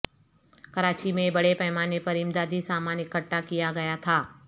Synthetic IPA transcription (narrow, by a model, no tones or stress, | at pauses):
kɐɾaːt͡ʃimẽbɐɽepɛɦmaːnepɐɾɪmd̪aːd̪ʱisaːmaːnɪkəʈːakijaɡɐjat̪ʰaː